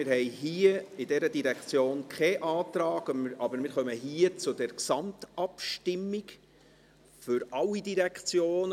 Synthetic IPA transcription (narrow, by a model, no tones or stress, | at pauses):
ɪɾhɛjɦiəɪdɛɾədiɾɛkt͡sjoːnkʰχɛʔɑːt̪ɾɑːɡ̥ɑbəɾmɪːɾχœməɦiːət͡sʊdɛɾksɑmtɑpʃtɪmːiɡ | fʏɾʔɑlːidiɾɛkt͡sjoːn